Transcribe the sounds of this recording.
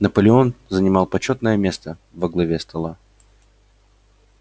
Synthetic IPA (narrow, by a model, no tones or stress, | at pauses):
nəpəlʲɪo̞nzənʲɪmɑlˠpɐt͡ɕo̞t̪nəjəmʲe̞st̪əvəɡlˠɐvʲest̪ʰɐlˠa